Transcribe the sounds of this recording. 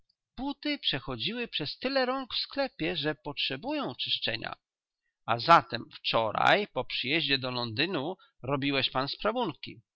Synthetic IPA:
b̥ut̪ɘpʂɛxɔd͡ʑiwɘpʂɛst̪ɘlɛɾɔŋkfsklɛpʲjɛʐɛpɔtʂɛbujɔ̃w̃t͡ʂɘʂt͡ʂɛ̰ɲa̰ | azat̪ɛmft͡ʂɔɾa̰jpɔpʂɘjɛʑd͡ʑɛd̪ɔlɔnd̪ɘnu | ɾɔbʲiwɛɕpanspɾavunkʲḭ

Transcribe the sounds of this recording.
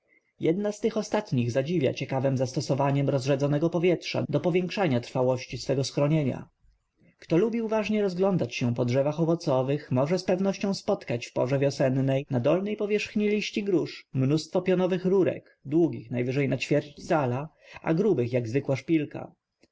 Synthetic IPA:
jɛd̪nast̪ɘxɔst̪at̪ɲiɣzad͡ʑivʲja̰t͡ɕɛkavɛmzast̪ɔsɔvaɲɛmɾɔzʐɛd̪zɔnɛɡɔpɔvʲjɛtʂa̰d̪ɔpɔvʲjɛŋkʂaɲat̪ɾfawɔɕt͡ɕisfɛɡɔsxɾɔɲeɲa̰ | kt̪ɔlubʲiuvaʐɲɛɾɔzɡlɔnd̪at͡ɕɕɛ̃pɔdʐɛvaxɔvɔt̪sɔvɘxmɔʐɛspɛvnɔɕt͡ɕɔ̃w̃spɔt̪kat͡ɕfpɔ̰ʐɛvʲjɔsɛnːɛjnad̪ɔlnɛjpɔvʲjɛʂxɲilʲiɕt͡ɕiɡɾuʂmnust̪fɔpʲjɔnɔvɘxɾuɾɛ̰k | d̪wuɡʲixnajvɘʐɛjnat͡ɕfʲjɛɾt͡ɕt͡ɕsala | ʔa̰ɡɾubɘxjaɡzvɘkwaʂpʲilka̰

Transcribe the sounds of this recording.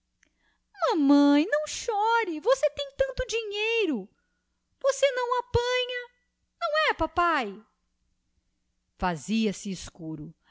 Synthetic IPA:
mɐ̃mɐ̃j̃nɐ̃w̃ʃɔɾɪvoset̪ẽj̃t̪ɐ̃nt̪ʊd͡ʒiɲejɾʊ | vosenɐ̃w̃apɐ̃ɲɐ | nɐ̃w̃ɛpapaj | faziɐsɪːskuɾʊ

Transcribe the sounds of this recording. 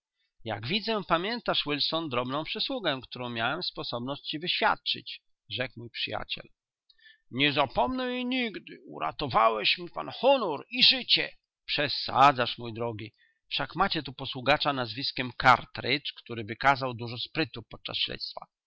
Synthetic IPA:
ja̰ɡvʲid̪zɛpamʲjɛnt̪aʂwilsɔnd̪ɾɔbnɔ̃w̃pʂɘswuɡɛkt̪uɾɔ̃w̃mʲjawɛmspɔsɔbnɔɕt͡ɕt͡ɕivɘɕfʲja̰t̪̚t͡ʂɘ̰t͡ɕ | ʐɛkmujpʂɘja̰t͡ɕɛ̰l | ɲɛzapɔmnɛiɲiɡd̪ɪṵɾa̰t̪ɔvawɛɕmʲipa̰nxɔnɔɾiʐɘt͡ɕɛ | pʂɛsa̰d̪zaʂmujd̪ɾɔɡʲi | fʂakmat͡ɕɛt̪upɔswuɡat͡ʂanazvʲiskʲɛmkaɾt̪ɾɘt͡ʂkt̪uɾɘvɘkazawd̪uʐɔspɾɘt̪upɔt̪̚t͡ʂa̰sɕlɛ̰t̪st̪fa̰

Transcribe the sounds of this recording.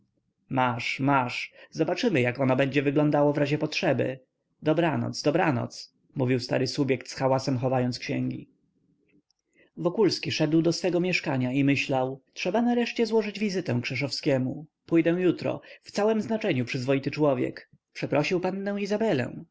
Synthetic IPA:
maʂmaʂzɔbat͡ʂɘmɘjakɔnɔbɛɲd͡ʑɛvɘɡlɔnd̪awɔvɾaʑɛpɔtʂɛbɘ̰ | d̪ɔbɾanɔ̰t̪sd̪ɔbɾanɔ̰t̪s | muvʲiwst̪a̰ɾɘsubjɛkt̪sxawasɛmxɔvajɔnt̪skɕɛŋɡʲḭ | vɔkulskʲiʂɛd̪wd̪ɔsfɛɡɔmʲjɛʂkaɲaimɘɕlawtʂɛbanaɾɛʂt͡ɕɛzwɔʐɘd͡ʑvʲizɘt̪ɛ̃w̃kʂɛʂ̬ɔfskʲɛmupujd̪ɛw̃jut̪ɾɔ̰ft̪sawɛmznat͡ʂɛɲupʂɘzvɔjit̪ɘt͡ʂwɔvʲjɛ̰k | pʂɛpɾɔɕiwpanːɛ̃w̃izabɛlɛ̰̃w̃

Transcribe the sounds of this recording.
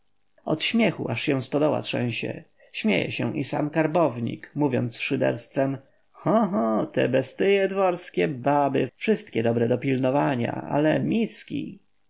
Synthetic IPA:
ɔt̪ɕmʲjɛxṵʔaʂɕɛ̃w̃st̪ɔd̪ɔwa̰t̪ʂɛ̃w̃ɕɛ̰ | ɕmʲjḛjɛ̰ɕɛ̃ʔisa̰mkaɾbɔvɲḭkmuvʲjɔ̰nt̪sʂɘd̪ɛ̰ɾst̪fɛm | xɔɦɔt̪ɛ̰bɛst̪ɘjɛd̪vɔɾskʲɛbabɘfʂɘst̪kʲɛd̪ɔbɾɛd̪ɔpʲilnɔvaɲa̰a̰lɛmʲiskʲḭ

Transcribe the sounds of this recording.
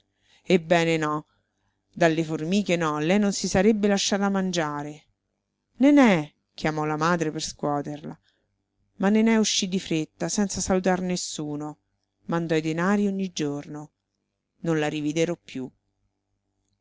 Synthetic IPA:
ebːɛːnenɔ | d̪alːeformiːk̟enɔlɛjnonsisaɾebːelaʃːaːt̪amand͡ʒaːɾe | nenɛ | kjamɔlamaːd̪ɾeperskwɔːt̪erla | manːenɛuʃːid̪ifɾet̪ːasɛnt̪sasalut̪arnesːuːno | mand̪ɔid̪enaːɾioɲːid͡ʒorno | nonlaɾivid̪eɾɔpːju

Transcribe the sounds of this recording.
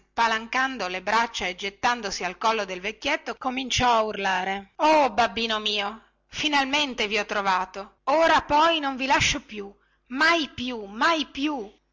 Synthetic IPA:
palaŋkand̪olebɾat͡ʃːaed͡ʒet̪ːand̪osialkɔlːod̪elvekːjet̪ːokomint͡ʃɔaurlaːɾeobabːiːnomiːo | finalment̪eviɔt̪ːɾovaːt̪ooːɾapɔjnoɱvilaʃːopju | majpjumajpju

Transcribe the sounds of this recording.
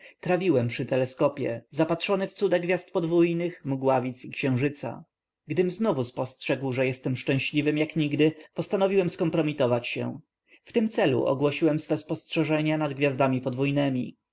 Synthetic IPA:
t̪ɾavʲiwɛmpʂɘt̪ɛlɛskɔpʲjɛ̰zapatʂɔnɘft̪sud̪aɡvʲjast̪̚pɔd̪vujnɘxmuɡwavʲit̪sikɕɛ̃w̃ʐɘt̪sa̰ | ɡd̪ɘmznɔvuspɔstʂɛɡwʐɛjɛst̪ɛmʂt͡ʂɛ̃w̃ɕlʲivɘmjakɲiɡd̪ɘpɔst̪anɔvʲiwɛmskɔmpɾɔmʲit̪ɔvat͡ɕɕɛ̰ | ft̪ɘmt̪sɛlṵʔɔ̰ɡwɔɕiwɛmsfɛspɔstʂɛʐɛɲanad̪ɡvʲjazd̪amʲipɔd̪vujnɛmʲi

